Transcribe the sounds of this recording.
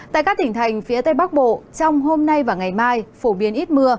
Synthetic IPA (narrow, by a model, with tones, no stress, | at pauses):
t̪a̰ː˧˨kaː˦˥k̚t̪ï˧˩ŋ̟t̪ʰa˨˩jŋ̟fi˨˦ət̪ə˧jɓa˦˥k̚ɓo̰˧˨t͡ɕɔ˧wŋ͡mɦo˧mna˧jvaː˨˩ŋa˨˩jmaː˧jfo˧˩ɓi˨˦ənʔi˦˥t̚mɨ˧ə